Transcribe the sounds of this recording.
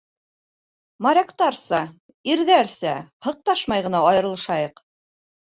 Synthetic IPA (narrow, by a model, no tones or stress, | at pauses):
mɑɾʲekt̪ɑɾsɑ | iɾðæɾsæhɤ̆q̚t̪ɑʃmɑjʁɤ̆nɑɑjɤ̆ɾɤlˠʃɑjɤq